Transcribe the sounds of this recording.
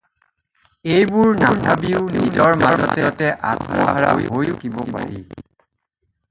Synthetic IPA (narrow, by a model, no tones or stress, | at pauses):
ejbuɹnaɹnabiʊnizɔɹmaɹzɔtɛtɛʔatʰɹa̰ɦaɹa̰wḭɦojkibɔpa̰ɹḭ